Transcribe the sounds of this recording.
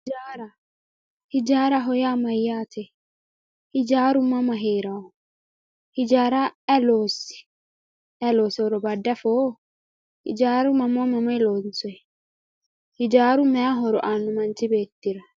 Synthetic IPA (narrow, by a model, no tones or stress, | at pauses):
d͡ʒaːɾɐ | hɪd͡ʒaːɾɐɦɔjaːmɐjːaːt̪ɛ | hɪd͡ʒaːɾʊmɐmɐɦeːɾɐwɔ | hɪd͡ʒaːɾaɛloːsɪ̥ | ʔɛloːshɔɾɔbɐdːɐfoː | hɪ̰d͡ʒaːɾʊmɐmɔmɐmɔjɛloːnsɔɛ | hɪd͡ʒaːɾʊmɛjaɦɔɾɔ̰ʔaːnːʊmɐnt͡ʃɪbeːt̪ːɪɾɐ